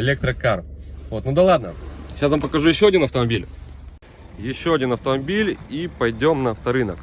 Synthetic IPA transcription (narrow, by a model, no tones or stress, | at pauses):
ɪlʲek̚t̪ɾəkarvo̞t̪nud̪ɐlˠad̪̚nə̰ɕasvampəkɐʐujɪɕːo̞ɐdʲinɐft̪əmɐbʲilʲ | jɪɕːoɐdʲinɐft̪əmɐbʲilʲipɐjdʲo̞mnəɐft̪ɐɾɨnək